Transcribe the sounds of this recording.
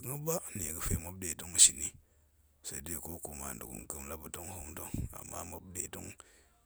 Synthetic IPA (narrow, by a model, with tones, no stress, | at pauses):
kŋa˦ba˦ni˨ɡə˦fe˨ma˦bde˨to˦ŋ˦ʃi˨ni˦ | sa˨i˦de˦˨ko˦ku˨ma̰˨ndu˨ɡṵ˨n˨kə˨˦mla˦bu˨to˦ŋ˦hu˦mto˦ŋa̰˨mːa̰˦ma˦bde˨to̰˦ŋ